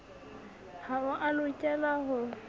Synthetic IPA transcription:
haʊʔalʊt͡ʃʼɛlaɦʊ

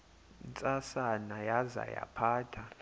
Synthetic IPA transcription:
nt͡sʼasanajaza̰ja̰pʰaːtʰa

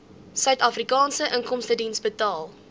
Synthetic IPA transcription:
sœɥtɑfrikɑːnsəʔəŋkɔmstədinsbətɑːlˠ

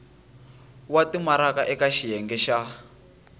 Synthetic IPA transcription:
watimaɾakaʔɛkaʃijɛŋɡɛʃa

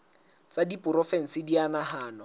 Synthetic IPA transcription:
t͡sʼadipʼʊɾɔfɛŋ̩sɪdianahaːnɔ

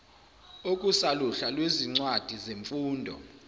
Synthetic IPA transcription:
okʼusaluɬalweziŋ͡ǀwad̥ʱizeɱfuːndʱɔ̰

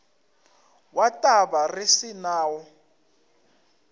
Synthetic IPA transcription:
watʼaβarisinaːwɔ

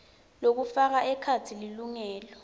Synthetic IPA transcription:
lok̬ufak̬aʔɛkʰat͡sʰililuŋɛːlɔ

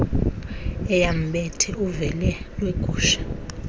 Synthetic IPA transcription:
ɛjam̩ɓɛtʰɛuvɛlɛlweɡ̥ʱuːʃḁ

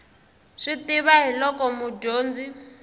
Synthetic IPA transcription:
ʂitiβaɦilɔkɔmuɟoːnd͡zi

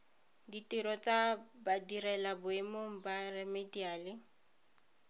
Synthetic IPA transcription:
ditiɾɔt͡sabadirɛlabʊemoŋ̩barɛmediaːlɪ

